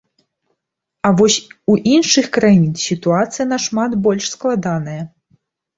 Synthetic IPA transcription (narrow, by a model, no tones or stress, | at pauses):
avɔsʲuʔinʂɨxkɾajinsʲit̪uat̪sɨjɐnɐʂmat̪bɔlʲʂsklˠad̪anɐjɐ